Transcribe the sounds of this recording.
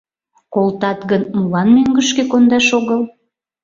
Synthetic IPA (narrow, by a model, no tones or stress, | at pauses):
kolt̪ɑt̪ɣənmulɑnmøŋɡəʃkekond̪ɑʃoɣəl